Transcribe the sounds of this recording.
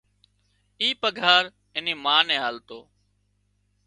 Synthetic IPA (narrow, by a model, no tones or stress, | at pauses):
iːpəɡʱaːɾ | ɪnĩːmaːnɛ̃ːɦaːlt̪oː